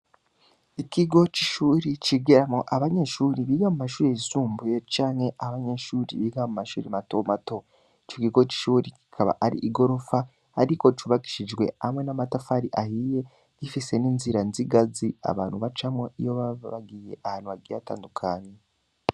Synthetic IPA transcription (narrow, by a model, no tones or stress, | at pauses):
ikiɡo̞ciʃuːɾiciɡeɾamoʔaβaɲe̞ʃuːɾiβiːɡamumaʃuːɾeisuːmbujet͡ʃaːŋhe̞ʔaβaɲe̞ʃuːɾḭβiːɡamumaʃuːɾimatomato̞ | t͡ʃokiɡo̞ci̥ʃuːɾici̥kʰaβa̰ʔaɾḭʔiɡo̞ɾo̞faː | ɾikot͡ʃuβaki̥ʃid͡ʒɡwe̞amwe̞namatafaɾiʔahije̞ | ɟifise̞niːnziɾanziɡazia̰βa̰ːnhuβat͡ʃamoijo̞βaββaɡije̞̰ʔahaːnhuβaɡijata̰ːndukʰaːɲe